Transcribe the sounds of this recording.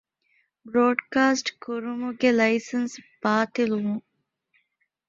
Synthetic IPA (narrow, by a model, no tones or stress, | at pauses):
bɾoːɖkaːsʈkuɾumuɡelɐjsɐnsb̥aːt̪ilumu